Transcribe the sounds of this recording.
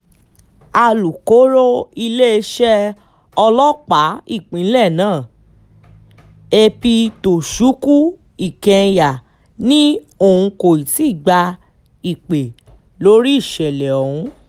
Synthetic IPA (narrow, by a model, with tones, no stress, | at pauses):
a˧lu˨ko˨˦ɾo˦i˧le˦e˧ʃɛ˦ | ɔ˧lɔ˦k͡pa˨˦i˦˨k͡pĩ˨˦lɛ˦˨nãː˦˨ | e˧pi˧to˨ʃu˨˦ku˦ | i˦˨kɛ̃˧ja˨ | nĩ˦ | o˦˨ũ˧ko˨i˨ti˦˨ɡ͡ba˧ | i˨k͡pe˨ | lo˨˦ɾi˦i˦˨ʃɛ˨lɛ˨o˨hũ˧˦